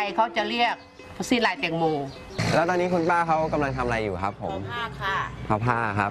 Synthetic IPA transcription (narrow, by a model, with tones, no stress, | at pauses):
jkʰa˦˥wt͡ɕa˨˩ɾi˥˩ək̚ | siː˧˥˩nlaː˧˩jt̪e˧˩ŋmuː˧ | lɛː˦˥wt̪ɔː˧nːiː˦˥kʰu˧npaː˥˩kʰa˦˥wka˧mla˧ŋt̪ʰa˧mʔɾa˧jːuː˨˩kʰa˦˥pʰːo˩˦mʰ˥˩ | pʰaː˧˩pʰaː˥˩kʰa˦˥p̚